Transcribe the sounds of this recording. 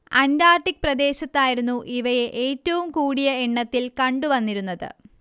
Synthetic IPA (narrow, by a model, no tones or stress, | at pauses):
ɐndaːrʈːik̚prɐd̪e̞ːɕɐt̪ːaːjiɾunːuʔiʋɐje̞ʔeːtːɐʋumkuːɽijɐeɳːɐt̪ːilkɐɳɖuʋɐnːiɾunːɐðɨ̰